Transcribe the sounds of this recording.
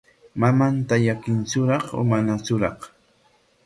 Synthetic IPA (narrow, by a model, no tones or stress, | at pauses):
mamant̪aʎakɪnt͡ʃʊɾɑχʊ̰manat͡ʃʊɾɑχ